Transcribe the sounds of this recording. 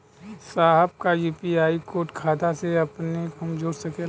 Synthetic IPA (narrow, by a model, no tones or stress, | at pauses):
saːɦəb̚kajuːpiaːikoːʈkʰaːt̪aseɐpneɦɐmd͡ʒoːɾsɐke